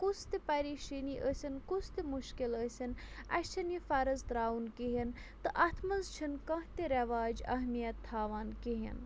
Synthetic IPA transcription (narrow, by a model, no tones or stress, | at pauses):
kust̪ipɐɾiːʃiniːʔəsʲinkust̪imuʃkiləsʲɐn | ɐ̰ʃt͡ʃʰɐnjifɐɾɐzd̪ɾaːunkiɦin | t̪ɨʔɐt̪ʰmɐzt͡ʃʰinkɐ̃ɦt̪iɾɐʋaːd͡ʒɐ̰ɦmijɐt̪ʰːaːʋaːnkiɦḭn